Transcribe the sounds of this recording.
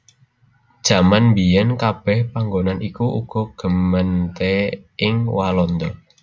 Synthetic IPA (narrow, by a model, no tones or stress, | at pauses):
d̥ʒ̥ä̤manmbijɛnkab̥ɛhpaŋɡonanʔikuṵɡ̥ɔ̤ɡ̥ə̤mənt̪eɪŋwalɔnd̪ɔ